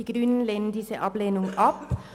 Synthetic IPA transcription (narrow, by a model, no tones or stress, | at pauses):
ɪɡɾʉnn̩lɛnd̪ɪsəʔɑːbleːnʊŋ̩ʔɑp